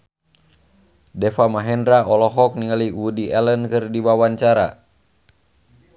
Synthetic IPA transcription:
dɛfamaɦɛndɾaʔɔlɔɦɔk̚niŋaliwudiʔɛlənkɨrdiwawaɲt͡ʃaɾa̰

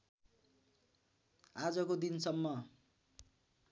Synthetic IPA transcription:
ad͡zʌkod̪insʌmːʌ

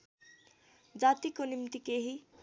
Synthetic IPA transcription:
d͡zat̪ikonimt̪ikeɦi

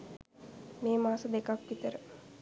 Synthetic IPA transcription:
meːmaːsəd̪ekakʋit̪əɾə

